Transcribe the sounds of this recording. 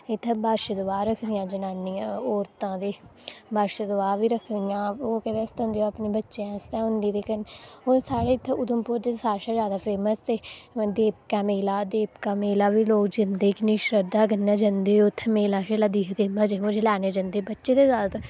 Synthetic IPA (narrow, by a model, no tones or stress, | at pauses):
ɪt̪ʰːbaːʃəd̪ʊʋaːɾəkʰd̪ɪjãːd͡ʒənaːnːĩːoːɾt̪ãːd̪eːbaːʃəd̪ʊaːʋiːɾəkʰd̪ɪjãːoːkɛt̪eːst̪ːʊ̃nd̪eːoapniːbətːʃãːst̪ãːɦʊnd̪iːt̪eːkənoːsaːɽeːɪt̪ʰːʊd̪əmpuːɾt̪eːsaːɾʃaːd͡ʒjaːd̪aːpʰeːməst̪eːd̪eːp̚kãːmeːlaːd̪eːpkaːmeːlaːʋiːloːɡd͡ʒɪnd̪eːkɪniːʃɾəɾd̪aːkənːãːd͡ʒãnd̪eːot̪ʰːmeːlaːʃelaːd̪iːkʰd̪eːəd͡ʒemʊd͡ʒlɛːneːd͡ʒãnd̪eːbətːʃeːt̪eːzaːd̪at̪